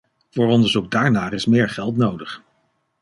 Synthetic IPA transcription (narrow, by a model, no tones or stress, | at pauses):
v̥ʊːɹɔndəɹzuk̚daːɹnaːrɪsmɪːɹχɛlˠtnowdəχ